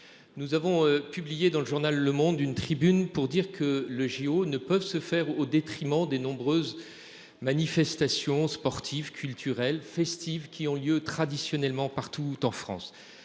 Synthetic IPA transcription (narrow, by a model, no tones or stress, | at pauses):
nuzavɔ̃pyblijed̪ɑ̃ləʒuʁnalːəmɔ̃d̪ynt̪χibynpuʁd̪iʁkʰələʒeonəpœvsəfɛʁod̪et̪χimɑ̃d̪enɔ̃bʁøz | manifɛst̪asjɔ̃spɔʁt̪ʰivkʲylt̪ʰyʁɛlfɛst̪ivkʲiɔ̃ljøt̪χad̪isjɔnɛlmɑ̃paʁt̪ʰut̪ɑ̃fχɑ̰̃s